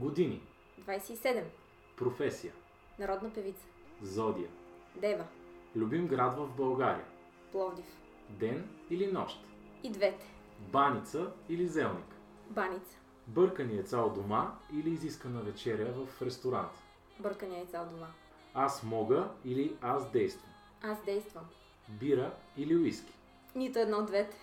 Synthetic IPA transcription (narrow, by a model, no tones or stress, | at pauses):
ɡod̪ini | d̪vajsɛisɛd̪ɛm | pɾofɛsijə | nɐɾɔd̪nəpɛvit̪sə̥zɔd̪ijəd̪ɛvəlʲubimɡɾad̪vəvbɐlˠɡaɾḭjə̰ | plˠɔvd̪if | d̪ɛnilinɔʃt̪ | id̪vɛt̪ɛ̥ | banʲit̪səilizɛlˠnik | banʲit̪sə̥ | bɤɾkəniət̪salˠd̪omailiːziskənəvɛt͡ʃɛɾiəvəfɾɛst̪oɾa̰nt̪ | bɤɾkəniɛt̪salˠd̪ʊma | asmɔɡəiliasd̪ɛjst̪vəm | asd̪ɛjst̪vəm | biɾəiliʊiskʲi̥ | nʲit̪ʊɛd̪nɔd̪vɛt̪ɛ̥